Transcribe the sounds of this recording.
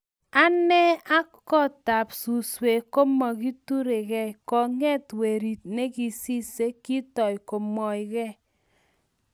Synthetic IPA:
a˦nɛ˦a˦ | kɔ˦ta˨psu˨swe˨ko˦mɔ˨ki˦tu˦ɾe˨kɛ˦kɔ˨ŋɛ˦twe˨ɾi˨t̚ne˦ki˦si˦se˦kːi˦tɔ˨jko˨mɔ˨ɪ˨kɛ˦

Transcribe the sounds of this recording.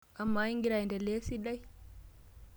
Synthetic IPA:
ʔa˨mːa˦i˦ŋɡi˦ɾa˨jndɛ˨le˦si˦ɗa˦j

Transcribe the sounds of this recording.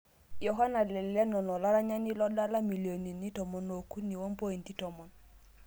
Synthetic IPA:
jɔ˨ɦa˦na˨lɛ˨lɛ˦nɔ˨nɔ˨la˦ɾa˦ɲa˦ni˦lɔ˦da˦la˦mi˨li˨o˨ni˨ni˦tɔ˨mɔ˨no˨ku˦ni˨wm˦po˦i˨n˨ti˦tɔ˨mɔ˨n

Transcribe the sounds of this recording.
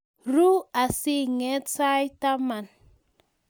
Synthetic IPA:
ɾu˦a˨si˦ŋɛ˦t͡sa˦jta˦ma˨n

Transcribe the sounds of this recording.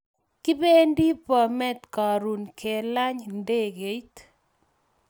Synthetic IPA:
kɪ˦be˦ndi˦pɔ˨mɛ˦˨t̪ka˨ɾu˨nkʰe˨la˦ɲnde˦˨ɡe˨˦jt

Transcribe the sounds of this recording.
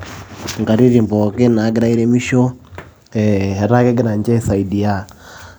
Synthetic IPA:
ŋɡa˨ɾi˦ɾi˨mbɔ˨kɛ˦na˨˦ɡɛ˦ɾa˦i˦ɾɛ˦mi˦ʃɔ˦ | ɛɦɛ˨ɾa˦kɛ˦ɡɛ˦ɾa˨ɲd͡ʒa˦sa˨i˨di˨a˦˨

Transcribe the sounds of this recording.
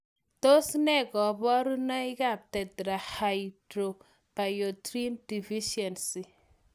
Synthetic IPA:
to˦snɛ˦ɡɔ˨bɔ˦ɾu˦nɔ˦ɪ˦ɡa˦˨p̚tɛ˨dɾa˨ha˨jdɾo˨ | pa˨jo˨tɾi˦ndi˨vi˦ʃɛ˨nsi˨

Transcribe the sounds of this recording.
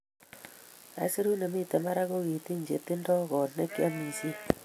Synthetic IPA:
a̰˨˦se˦ɾu˦ne˨mi˦˨te˨ma˦ɾa˦ɣo˦ɣi˨ti˦ɲd͡ʒḛ˨tɪ˦ndɔ˦ɣɔ˨ne˦kja˦mi˨si˦

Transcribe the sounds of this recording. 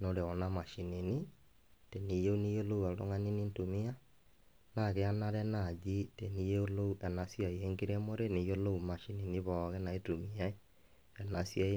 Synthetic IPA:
no˨ɾe˨ɔ˨na˦ma˨ʃi˨ni˨ni˦ | te˨ni˨je˦u˦ni˦jo˦lo˦u˨a˨lo̰˦ŋa˦ni˦ni˦ntu˨mi˦a˦ | na˨ɣe˦a˦na˦ɾɛ˦na˨d͡ʒi˦te˨ni˦je˦o˦lo˦u˦ʔɛ˨na˨sja˨i˨e˦ŋɡe˦ɾɛ˦mo˦ɾe˦ni˨jo˦lo˦u˨ma˨ʃi˨ni˨ni˦βɔ˨ɣɛ˦na˨e˦tu˨mi˨a˦e˦ | ɛ˨na˨sja˦e˦

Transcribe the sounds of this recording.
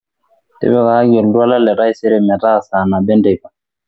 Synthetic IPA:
tɛ̰˦bɛ˦ka˨ha˦ɡɔ˨ldu˦a˦la˦lɛ˨ɾa˦jsɛ˦ɾɛ˦mɛ˨ta˦˨sa˨na˨bɛ˦ndɛ˨kḁ˨

